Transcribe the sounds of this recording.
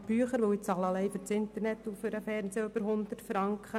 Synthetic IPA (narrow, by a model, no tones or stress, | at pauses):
b̥yəχəɾʋoʊɪt͡sɑlɑlɛɪfʏɾt͡sɪnt̪əɾnɛt̪ːufʏɾəfɛɾnseːøbəɾɦʊnd̪ətfɾɑŋkχə